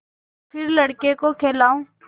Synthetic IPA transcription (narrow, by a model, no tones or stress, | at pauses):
pʰɪɾlɐɽkekokʰeːlaːũː